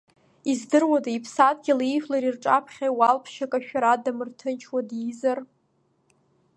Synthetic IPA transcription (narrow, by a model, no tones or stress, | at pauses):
izdɨrwadaipʰsat̚ʼɡʲɪlijflaɾirʈ͡ʂʼapʰχʲajwalpʰʃakʼaʃᶣaɾadamɨrtʰɨnt͡ʃʰwadizar